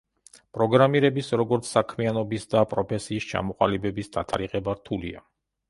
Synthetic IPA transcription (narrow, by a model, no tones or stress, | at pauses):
pʼɾɔɡɾamiɾɛbisɾɔɡɔɾt̪sʰsakʰmianɔbisd̪apʼɾɔpʰɛsiːst͡ʃʰa̰mɔqʼalibɛbisd̪̥at̪ʰa̰ɾiqɛbaɾt̪ʰulḭa̰